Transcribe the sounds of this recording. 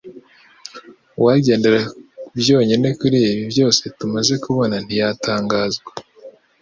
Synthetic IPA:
waɟe̞ːndeɾabjo̞ːɲene̞kuɾiiβibjo̞ːse̞tumaze̞kuβo̞nan̥ijatʰaːŋɡaːzɡwe

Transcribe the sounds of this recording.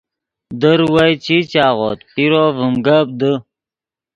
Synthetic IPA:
d̪əɾwəjt͡ɕit͡ɕaːʁo̰ːt̪piɾovəmɡəb̚d̪ə

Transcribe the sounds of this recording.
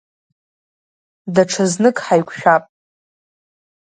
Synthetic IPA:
daʈ͡ʂʰaznɨkʼħajkʷʰʃᶣapʼ

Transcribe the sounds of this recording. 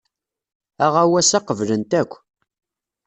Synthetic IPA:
æʁæwæsæqəvlənt̪ækʷː

